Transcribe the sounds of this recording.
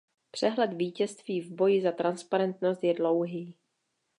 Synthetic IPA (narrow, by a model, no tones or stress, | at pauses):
pr̥ɛɦlɛt̪viːcɛst̪viːvbojɪzat̪ɾanspaɾɛnt̪nost̪jɛdlo̞wɦiː